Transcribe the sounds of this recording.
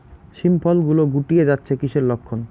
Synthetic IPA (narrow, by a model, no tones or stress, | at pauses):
ʃimpʰɔlɡuloɡuʈied͡ʑatːɕʰekiʃeɾlokʰːon